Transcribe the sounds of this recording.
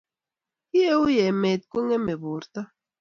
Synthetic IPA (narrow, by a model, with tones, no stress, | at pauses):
i˦e˦u˦jɛ˨mɛ˨t̪̚ko˦ŋɛ˦me˨bu˨ɾt̪a˦